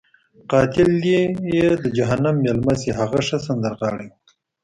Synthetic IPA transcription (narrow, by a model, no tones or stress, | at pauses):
qɑːt̪ɪld̪ejed̪əd͡ʒaɦanamːelmaseɦaɣaʂəs̬and̪əɾɣɑːɽew